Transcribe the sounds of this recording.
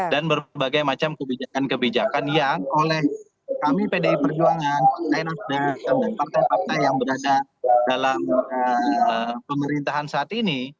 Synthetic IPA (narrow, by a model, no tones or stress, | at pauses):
danbərbaɡajmat͡ʃamkəbid͡ʒakankəbid͡ʒakanjaŋolɛh | kamipedaipərd͡ʒuaŋanpart̪ajnasdat̪andanpart̪ajpart̪ajːaŋbəɾadadalamə | pəməɾint̪aɦansaːt̪ini